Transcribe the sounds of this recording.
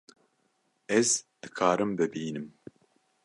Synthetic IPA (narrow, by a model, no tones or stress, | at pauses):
ɛzd̪̥ɨkʰaːɾɨmbɨbiːnɨm